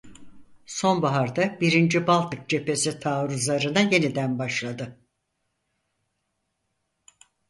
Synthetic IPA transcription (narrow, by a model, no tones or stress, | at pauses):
so̞nbaɦaɾd̪abiɾind͡ʒibalˠt̪ɯk̚d͡ʒe̞pe̞sit̪ʰaːɾuzlˠaɾɯnaje̞nid̪ænbaʃlˠad̪ɯ